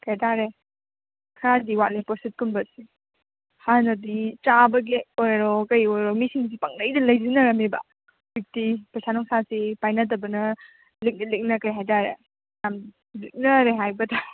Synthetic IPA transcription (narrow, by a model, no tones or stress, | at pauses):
kajtaɾe | kʰɾadiwalipɔsit̚kunbɐsi | hanɐdit͡ʃabɐɡiɔjɾɔkɐjojɾomisiŋs̬ipaŋnɐjdɐlɐjzinɐɾɐmibɐ̰ | bik̚tipɾɐsanɔŋsasipajnɐt̬ɐbɐnɐ | lik̚nɐlik̚nɐkɐjɦajtaɾḛ | jam | lik̚nɐɾeɦajbɐtɐ